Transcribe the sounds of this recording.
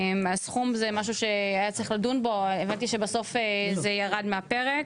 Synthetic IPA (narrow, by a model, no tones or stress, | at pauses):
masχumzemaʃ̬uʃe̞ajat͡sʁiχlad̪unbo̞evant̪iʃebaso̞fezejaʁad̪meape̞ʁek